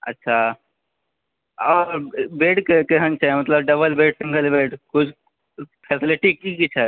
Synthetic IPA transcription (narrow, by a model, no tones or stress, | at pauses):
ə̰tːʃʰa | ɔːɾbeːɖkekeɦənt͡ʃʰamɐt̪ləbɖəbəlbeːɖsĩŋɡəlbeːɖkʊt͡ʃʰ | pʰeːsɪliʈikikit͡ʃʰɛ